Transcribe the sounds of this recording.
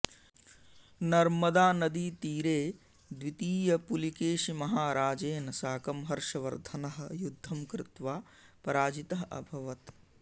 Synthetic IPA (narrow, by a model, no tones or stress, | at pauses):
nɐɾmɐd̪aːnɐd̪iːt̪iːɾeː | d̪ʋit̪iːjɐpulikeːʃimɐɦaːɾaːd͡ʒeːnɐsaːkɐmɦɐɾʂɐʋɐɾd̪ʱɐnɐɦɐjud̪ʱːɐmkɾɪt̪ʋaː | pɐɾaːd͡ʒit̪ɐɦɐʔɐ̰bʱɐʋɐt̪